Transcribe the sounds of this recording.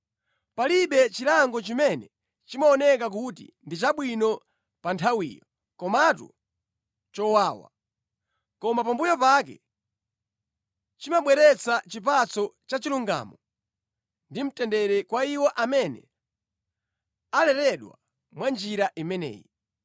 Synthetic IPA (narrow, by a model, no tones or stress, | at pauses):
paliɓɛt͡ʃilaŋɡɔt͡ʃimɛnɛ | t͡ʃimaɔnɛk̬ak̬utḭndit͡ʃaɓwinɔ | pantʰawḭːjɔ | kɔmatṵ | t͡ʃɔwaːwa̰ | kɔmapambujɔpak̬ɛ̰ | t͡ʃimaɓwɛɾɛt͡sat͡ʃip̬at͡sɔt͡ʃat͡ʃiluŋɡa̰ːmɔ | ndim̩tɛndɛɾɛkwaiwɔʔamɛnɛ̰ | alɛlɛɗwa̰ | mwand͡ʒiɾaʔimɛnɛ̰ːji